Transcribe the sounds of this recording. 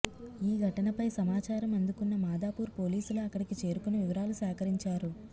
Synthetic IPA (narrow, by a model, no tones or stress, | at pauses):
iːɡʱɐʈɐnɐpɐjsɐmaːt͡ʃaːɾɐmɐnd̪ukunːɐmaːd̪aːpuːɾpo̞ːliːsuluɐkːɐɽikit͡ʃe̞ːɾukuneʋiʋɐɾaːlusaːkɐɾiɲt͡ʃaːɾu